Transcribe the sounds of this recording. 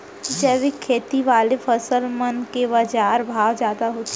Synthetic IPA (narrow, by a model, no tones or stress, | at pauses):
d͡ʒɛːʋɪkʰːeːt̪iʋaːlefəsəlmənkebad͡ʒaːɾbʱaːʋd͡ʒjaːd̪aɦoːt̪